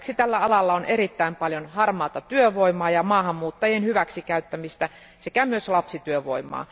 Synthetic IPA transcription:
ksit̪ælːæɑlɑlːɑoneɾit̪ːæimpɑljonhɑrmɑːt̪ɑt̪yøʋoimɑːjɑmɑːhɑmːuːt̪ːɑjenhyʋæksikæyt̪ːæmist̪æ | sekæmyøslɑpsit̪yøʋo̰imˑɑ̰ː

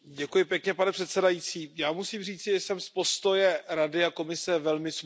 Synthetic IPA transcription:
ɟɛkujɪpjɛkɲɛpanɛpr̝̥ɛt̪sɛdajit͡siːjaːmusiːmr̝iːt͡sɪʒɛsɛmspo̞st̪o̞jɛɾadɪako̞mɪsɛvɛlmɪs

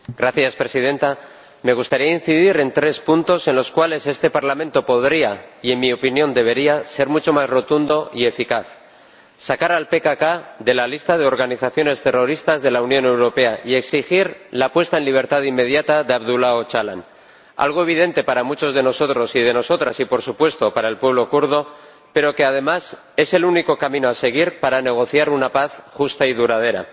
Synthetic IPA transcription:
ɡ̥ɾaθjaspɾe̞siðe̞nt̪a | me̞ɣ̞ust̪aɾiain̟θiðiɾe̞nt̪ɾe̞spunt̪o̞se̞nlo̞skwale̞se̞st̪e̞paɾlamẽ̞nt̪o̞po̞ðɾiaie̞nmio̞pinjõ̞nd̪e̞β̞e̞ɾiase̞ɾmut͡ʃo̞mazro̞t̪und̪o̞ʔie̞fikaθ | sakaɾalpe̞kakaðe̞lalist̪að̞e̞o̞ɾɣ̞aniθaθjo̞ne̞st̪e̞ro̞ɾist̪azðe̞launjõ̞ne̞wɾo̞pe̞aʔie̞ksixiɾlapwe̞st̪aenliβ̞e̞ɾt̪aðimːe̞ð̞jat̪aðeaβðulaot͡ʃala̰n | a̰lɣ̞o̞e̞β̞ið̞e̞nt̪e̞paɾamut͡ʃo̞zð̞e̞no̞so̞t̪ɾo̞sið̞e̞no̞so̞t̪ɾasipo̞ɾsupwe̞st̪o̞paɾaelpweβ̞lo̞kuɾð̞o̞ | pe̞ɾo̞ke̞að̞e̞mas | e̞se̞luniko̞kamĩnoase̞ɣ̞iɾpaɾane̞ɣ̞o̞θjaɾunapaθxust̪aiðuɾað̞e̞ɾa̰

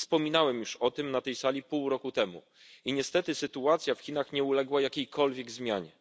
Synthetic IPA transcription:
spɔmʲinawɛmjuʂɔt̪ɘmnat̪ɛjsalʲipuwɾɔkut̪ɛmṵ | iɲɛst̪ɛt̪ɘsɘt̪uat̪sʲjafxʲinaxɲɛulɛɡwajakʲejkʰɔlvʲjɛɡzmʲjaɲɛ

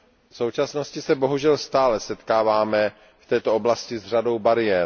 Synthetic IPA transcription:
fso̞wt͡ʃasno̞scɪsɛbo̞ɦuʒɛlst̪aːlɛsɛt̪kaːvaːmɛ | ft̪ɛːt̪oʔoblascɪzr̝ado̞wbaɾɪɛːɾ

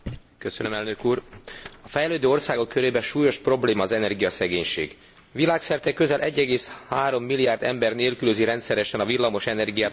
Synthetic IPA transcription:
kø̞sønø̞mɛlnø̞kuːrɒfɛjløːd̪øːo̞rsaːɡo̞kːø̞ɾeːbɛʃuːjo̞ʃpro̞bleːmɒːzɛnɛrɡijɒsɛɡeːɲʃḛːɡ | ʋilaːksɛrt̪ɛkːø̞zɛlʔɛɟːɛɡeːshaːɾo̞mːilːijaːrd̪ɛmbɛrneːlkyløziɾɛnt̪sɛɾɛʃɛnɒvilːɒmo̞ʃɛnɛrɡijaː

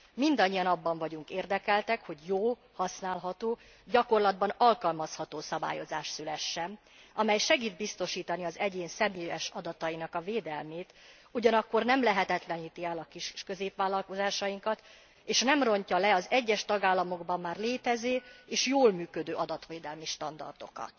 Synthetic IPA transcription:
mind̪ɒɲːijɒnɒbːɒɱvɒɟuŋkeːrd̪ɛkɛlt̪ɛkho̞ɟjoː | hɒsnaːlɦɒt̪oː | ɟɒko̞rlɒd̪̚bɒnɒlkɒlmɒshɒt̪oːsɒba̰ːjozaːʃt̪sylɛʃːɛ | ɒmɛjʃɛɡiːd̪̚bist̪o̞ʃiːt̪ɒniɒzɛɟeːnsɛmeːjɛʃɒd̪ɒt̪ɒjinɒkɒveːd̪ɛlmeːt̪ | uɟɒnɒkːo̞rnɛmlɛɦɛt̪ɛt̪lɛniːt̪iɛlɒkiʃkø̞zeːpʋaːlːɒlko̞zaːʃɒjiŋkɒt̪ | eːʃnɛmro̞ɲcɒlɛɒzɛɟːɛʃt̪ɒɡaːlːɒmo̞ɡbɒmːaːrleːt̪ɛzeːeːʃjoːlmyːkød̪øːʔɒd̪ɒt̪ʋeːd̪ɛlmiʃt̪ɒnd̪ɒ̰rd̪o̞̰kɒ̰t̪

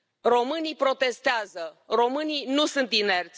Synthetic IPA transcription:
ro̞mɨnipɾo̞t̪e̞st̪eazəro̞mɨninusɨnt̪inert̪sʲ

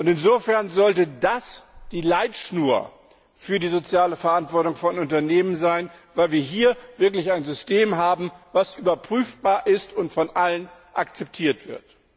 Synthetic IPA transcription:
ʔʊntɪnzoːfɛɐnzɔltədasd̥iːlaɪtʃnuːɐ | fyːɐdiːzot͡sjaːləfɛɐʔantv̥ɔɐtʊŋfɔnʊntɐneːmənzaɪn | vaɪlviːɐɦiːɐv̥ɪɐklɪçaɪnzʏstʰeːmɦaːbm̩v̥asʔyːbɐpʁ̥yːfb̥aːɐʔɪstʊntfɔnʔalənʔakt͡sɛp̚tʰiːɐtv̥ɪɐt

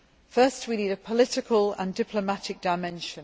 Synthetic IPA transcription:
fɜˑstwiniːdəpʰəlɪtɪkʰələ̰̃ndɪpʰləmatɪk̚d̥aɪmɛ̃nʃə̃n

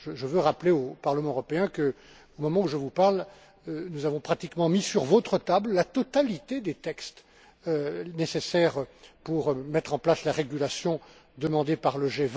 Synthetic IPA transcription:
ʒəʒəvøʁapleopaʁləmɑ̃øʁɔpeɛ̃kə | omɔmɑ̃uʒəvupaʁl | ønuzavɔ̃pχat̪ikmɑ̃misyʁvɔt̪χət̪abllat̪ɔt̪alit̪ed̪et̪ɛkst̪ | ønesesɛʁpuʁmɛt̪χɑ̃plaslaʁeɡʲylasjɔ̃d̪əmɑ̃d̪epaʁləʒev

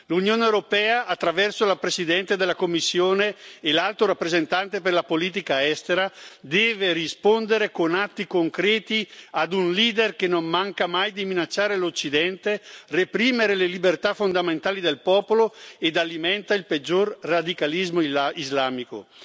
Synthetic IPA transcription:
lunjoːneewɾopɛːaʔːt̪ːɾavɛrsolapɾesid̪ɛnt̪ed̪elakomːisːjoːneːlalt̪oɾapːɾezent̪ant̪eperlapoliːt̪̬ikaɛst̪eɾad̪ɛːverispond̪eɾekonat̪ːikoŋkɾɛːt̪iad̪unliːd̪erkenːommaŋkamajd̪iminat͡ʃːaːɾelot͡ʃːid̪ɛnt̪erepɾiːmeɾelelibert̪afond̪ament̪aːlid̪elpɔːpoloed̪alimɛnt̪ailped͡ʒːorrad̪ikalizmoizlaːmiko̰

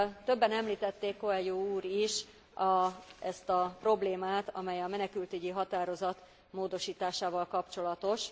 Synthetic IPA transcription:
t̪ø̞bːɛnɛmliːt̪ɛt̪ːeːkːo̞ɛljuuːɾiʃ | ɒɛst̪ɒpro̞bleːmaːt̪ɒ̰mɛjɒmɛnɛkylt̪yɟiɦɒt̪aːɾo̞zɒt̪ | moːd̪o̞ʃiːt̪aːʃaːvɒlkɒpt͡ʃo̞lɒt̪o̞ʃ

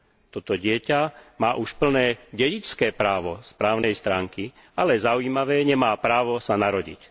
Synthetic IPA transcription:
t̪ɔt̪ɔɟɪɛcamaːʔuʃpl̩nɛːɟɛɟit͡skɛːpɾaːʋɔspɾaːʊnɛjst̪ɾaːŋki | alɛzauiːmaʋɛːɲɛmaːpɾaːʋɔsanaɾɔɟḭc

